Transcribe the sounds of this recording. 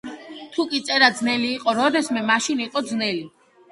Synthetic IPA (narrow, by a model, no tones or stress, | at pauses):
t̪ʰukʼit̪sʼɛɾad̪znɛliːqʼɔɾɔd̪ɛsmɛmaʃiniqʼɔd̪znɛli